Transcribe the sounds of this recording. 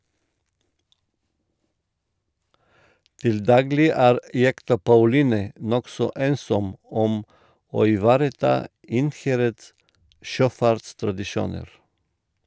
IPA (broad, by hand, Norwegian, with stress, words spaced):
ˈtɪl ˈdɑːɡlɪ ˈæːɾ ˈjɛktɑ pɑʉˈliːnɛ ˈnɔksɔ ˈeːnsɔm ˈɔm ˈoː ɪˈʋɑːɾəˌtɑː ˈɪnˌhæɾəds ˈʃøːˌfɑɾtstɾɑdɪˌʃuːnəɾ